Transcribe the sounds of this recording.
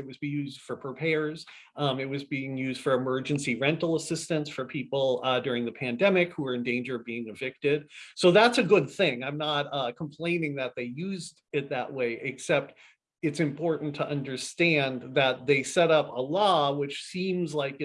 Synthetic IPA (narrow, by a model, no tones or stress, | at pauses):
ɨt̚wʌzbijʉzd̥fə˞pʰɹ̥ipʰɛ˞z̥ | mɨt̚wʌzbiɪ̃ŋjʉzd̥fə˞ɨmɜ˞d͡ʒɨ̃nsiɹɛ̃ntˡl̩ˠəsɪstɨ̃nsfə˞pʰipl̩ˠdʊɹɪ̃ŋðɨpʰæ̃ndɛmɪkhuə˞ɨ̃ndẽɪ̃nd͡ʒə˞ʌvbiɪ̃ŋɨvɪk̚tɪd̥̚soʊðætsɨɡʊd̪̚θɪ̃ŋãɪ̃mnət̚kʰm̩pʰl̥ẽɪ̃nɪ̃ŋðɨt̪̚ðeɪjʉzd | ɪt̪̚ðɨ̰ʔweɪʔɪksɛp̚t | ɨtsɨ̃mpʰɔɹʔn̩tʰəʔʌ̃ndə˞stæ̃nðɨt̪̚ðeɪsɛɾʌpəlɔwɪt͡ʃsĩmzlaɪkɨ